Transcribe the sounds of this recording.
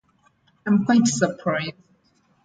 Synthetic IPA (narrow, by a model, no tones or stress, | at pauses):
ãɪ̃mkʰw̥aɪtsəpʰɹaɪz